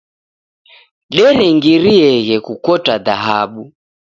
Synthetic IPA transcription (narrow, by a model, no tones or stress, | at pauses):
ɗɛlɛŋɡiɾiɛɣɛkukɔtaðaɦaɓu